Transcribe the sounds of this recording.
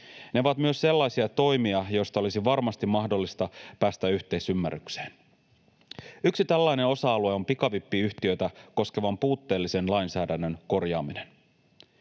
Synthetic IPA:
ne̞oʋɑt̪myøsse̞lːɑjsiɑt̪o̞jmiɑjo̞jst̪ɑo̞lisiʋɑrmɑst̪imɑhdo̞lːist̪ɑpæːst̪æyçt̪e̞isymːæ̰rːykse̥ːn | yksit̪ælːæjne̞o̞sɑɑlue̞o̞mpikɑʋipːiyçt̪iø̞jt̪æko̞ske̞ʋɑmpuːt̪ːe̞ːlːise̞nlɑjnsæːdænːønko̞rjɑ̰ːmine̞n

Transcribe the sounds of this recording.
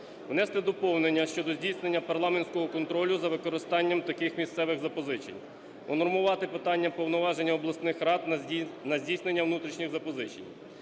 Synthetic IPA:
ʋnɛst̪ɛd̪ɔpɔwnenʲːɐʃt͡ʃɔd̪ɔzʲdʲijsnenʲːɐpɐrlˠɑmenʲsʲkɔɦɔkɔnt̪ɾɔlʲʊzɐʋɪkɔɾɪst̪ɑnʲːɐmt̪ɐkɪxmʲist̪sɛʋɪɣzɐpɔzɪt͡ʃḛnʲ | ɔnɔrmʊʋɑt̪ɪpɪt̪ɑnʲːɐpɔwnɔʋɑʒenʲːɐɔblˠɐsnɪxɾɑt̪nɐzʲdʲijsnenʲːɐʋnut̪ɾʲiʃnʲiɣzɐpɔzɪt͡ʃḛnʲ

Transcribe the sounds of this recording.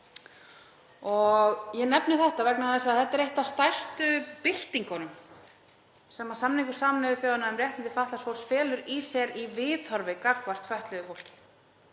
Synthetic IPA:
ɔɣjɛnɛpnɪθɛht̪avɛknaθɛsaðθɛht̪ːɛɾejht̪ast̪ajr̥st̪ʏpɪl̥t̪iŋkɔnʏm | sɛmːasamniŋkʏɾ̥saːmnɛðʏθjoːwðʏnaɛmrjɛht̪ɪnt̪ɪ̥faht̪lasfowɾ̥sfɛːlʏɾisɛɾivɪːðhɔɾvɪkakvar̥t̪fœht̪lɛðʏfowl̥cɪ̥

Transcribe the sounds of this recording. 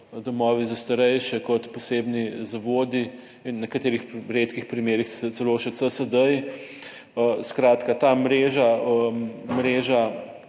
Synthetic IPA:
d̪ɔmɔːʋizast̪ɐɾɛjʃɛkɔt̪pɔseːbnizaʋoːd̪i | inːɛkat̪eːɾixɾeːt̪kixpɾimeːɾixsɛt͡s̪ɛloːʃɛsəsəd̪əj | skɾaːt̪kat̪aːmɾeːʒaəmɾeːʒa

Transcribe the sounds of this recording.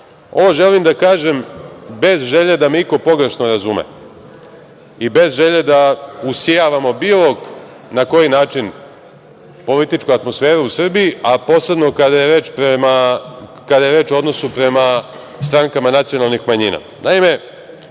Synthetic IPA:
o̞ʋo̞ʒe̞limd̪akaːʒe̞mbe̞zʒeʎed̪ameiko̞po̞ɡɾeʃnoɾazumḛ | ibe̞zʒe̞ʎed̪ausijaʋamo̞biːlˠo̞k | nako̞jinaːt͡ʃin | po̞lit̪it͡ʃkuat̪mo̞sfe̞ːɾuusr̩bijiapo̞ːse̞bno̞kad̪ajeɾe̞ːt͡ʃpɾema | kad̪aje̞ɾeːt͡ʃoo̞d̪no̞supɾe̞ma | st̪ɾaŋkamanat̪sijo̞nalˠnixmaɲiːna̰ | naime̞

